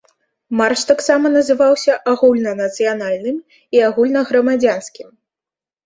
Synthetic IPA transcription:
marʂt̪aksamɐnɐzɨvawsʲɐʔaɣulʲnɐnɐt̪sɨjanalʲnɨm | iaɣulʲnɐɣɾɐmad͡zʲanskʲim

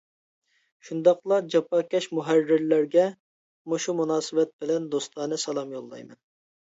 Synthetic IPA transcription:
ʃund̪ɑqlˠɑd͡ʒɑpʰɑkʲɛʃmuɦærːɪɾlæɾɡʲɛ | moʃumunɑːsɨbɛt̪̚bɪlɛnd̪ost̪ɑːnɨsɑlˠɑmjolˠːɑ̰jmɛ̰n

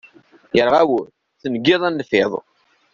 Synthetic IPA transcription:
jəɾʁæwə | θənɡːɪðˤænːfɪðˤ

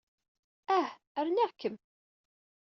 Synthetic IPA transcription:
æh | əɾnæʁkːəm

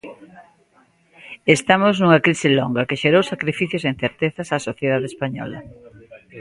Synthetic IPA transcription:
est̪amoznuŋɐkɾisɪlɔŋɡɐkeʃeɾowsakɾifiθjosen̟θeɾt̪eθasasoθjeð̞aðeːspaɲɔ̰lɐ̰

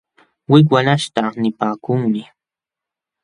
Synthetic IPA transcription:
wɪk̬wanaʃt̪anɪpaːkʊŋmɪ

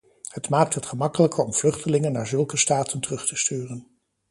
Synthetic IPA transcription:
hətmaːk̚tɦətχəmɑkələkəɔmv̥lɵχtəlɪŋənːaːɹzɵlˠkəstaːtʰəntərɵχtəstyːrən

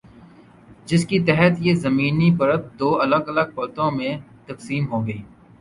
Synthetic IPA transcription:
d͡ʒɪskit̪ɛɦət̪jezɐmiːnipɐɾət̪̚d̪oːɐləɡɐləɡ̚pɐt̪õmẽt̪ɐksiːmɦoːɡəiː

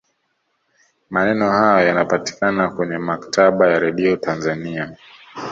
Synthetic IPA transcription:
manɛnɔhajɔjanapati̥kanakwɛɲɛmakḁtʰaɓajaɾɛɗiɔtʰanzania

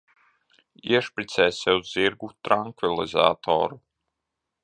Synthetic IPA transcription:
iɛʃpɾit̪sɛːsɛuzːiɾɡut̪ɾaŋkvilˠiza̰ːt̪ʰɔ̰ːɾu

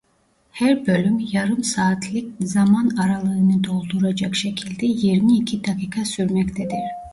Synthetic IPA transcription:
hæɾbø̞lʲymjaɾɯmsaːt̪ʰlʲˠik̚zamanaɾalˠɯɯnɯd̪o̞lˠd̪uɾad͡ʒakʃe̞cʰilʲd̪ɛjiɾmiːcʰid̪akʰiːkʰasyɾmɛct̪ʰɛd̪iɾ̥

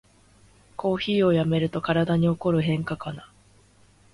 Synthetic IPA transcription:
kʰo̞ːçiːo̞jame̞ɾɯ̟t̪o̞kaɾad̪aɲ̟io̞ko̞ɾɯ̟ɦẽ̞ŋkakana

